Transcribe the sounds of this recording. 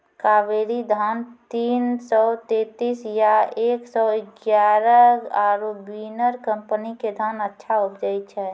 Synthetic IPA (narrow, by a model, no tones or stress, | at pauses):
kaːʋeɾid̪ʱant̪iːnsɔt̪et̪isjaeːksɔɪɡjaɾəaɾobinəɾkəmpəniked̪ʱanətːʃʰaʊpd͡ʒajt̪t͡ʃʰɛ